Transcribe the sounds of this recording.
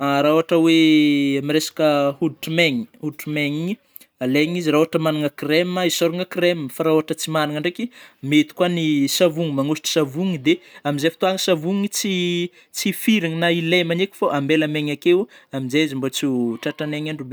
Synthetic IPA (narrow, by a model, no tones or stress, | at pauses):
aɾaoɦaʈ͡ʂəweamiresḁkəhud̪̚ʈ͡ʂimeŋi̥hud̪ʈ͡ʂumeŋi | aleŋiziɾaoaʈ͡ʂəmanaŋəkremaisoɾuŋəkremfaɾaoaʈ͡ʂət͡simaniŋaɳɖ͡ʐekʲimet̪i̥kwanisavuŋimaŋusi̥ʈ͡ʂi̥savuŋid̪eamizefit̪uaŋəsavuŋit͡si | t͡sifiɾiŋinailemanekʲi̥foʔambelameŋakewaminzaizimbot͡suʈ͡ʂaaneŋaɳɖ͡ʐube